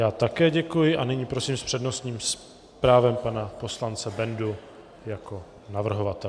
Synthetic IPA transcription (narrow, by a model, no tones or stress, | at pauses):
jaːt̪akɛːɟɛkujɪʔanɪɲiːpɾo̞siːmspr̥ɛdno̞st̪ɲiːms | pɾaːvɛmpanapo̞slant͡sɛbɛndu | jako̞ | navr̩ɦovat̪ɛ